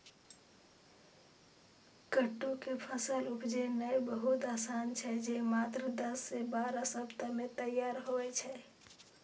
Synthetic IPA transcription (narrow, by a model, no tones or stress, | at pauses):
kəʈːukepʰəsəlupd͡ʒenəjbəɦut̪asant͡ʃʰɛd͡ʒemat̪ɾəd̪əsːebaɾasəbt̪əmet̪əjaɾɦoɛt͡ʃʰɛ